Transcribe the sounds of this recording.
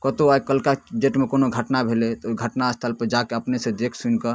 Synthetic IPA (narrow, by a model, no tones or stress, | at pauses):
kət̪oajkəlkad͡ʒeʈmekonoɡʱəʈnabʱelet̪oɡʱəʈnaəst̪ʰəlpəd͡ʒakeəpnesẽd̪ekʰsunkə